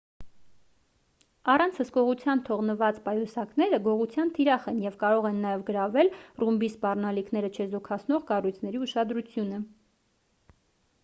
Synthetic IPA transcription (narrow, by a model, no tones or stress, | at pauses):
ɑrɑnt͡sʰhəskɔʁut͡sʰjɑnt̪ʰɔʁnəvɑt͡spɑjusɑknɛɾəɡɔʁut͡sʰjɑnt̪ʰiɾɑχɛnjɛvkɑɾɔʁɛnːɑjɛvɡəɾɑvɛlrumbispɑrnɑlikʰn̪ɛɾət͡ʃʰɛzɔkʰɑt͡sʰnɔʁkɑrujt͡sʰnɛɾiuʃɑd̪ɾut͡sʰjunə